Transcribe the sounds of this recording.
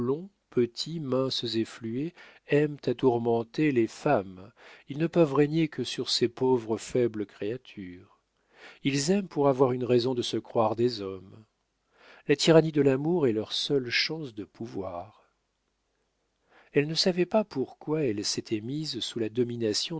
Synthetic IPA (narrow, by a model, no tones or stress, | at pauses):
lɔ̃ | pət̪ʰimɛ̃szeflye | ɛmt̪at̪uʁmɑ̃t̪elefamilnəpœvʁeɲekʰəsyʁsepovʁəfɛbləkχeat̪ʰyːʁ | ilzɛmpuʁavwaʁynʁezɔ̃d̪əsəkχwaʁd̪ezɔm | lat̪ʰiʁanid̪əlamuʁɛlœʁsœlʃɑ̃sd̪əpʰuvwaʁ | ɛlnəsavɛpapʰuʁkwaɛlset̪ʰɛmizsulad̪ɔminasjɔ̃